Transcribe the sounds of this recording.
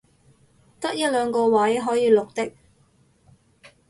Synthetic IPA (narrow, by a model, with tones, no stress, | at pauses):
t̪ɐ˥k̚jɐ˥t̚lœː˨˧ŋkɔː˧wɐ˨˥jɦɔː˨˥jiː˨˧lʊ˨k̚t̪ɪ˥k̚